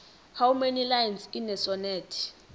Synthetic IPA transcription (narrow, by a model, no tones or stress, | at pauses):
hawumenilajɛnsinɛsɔnɛːtʰi̥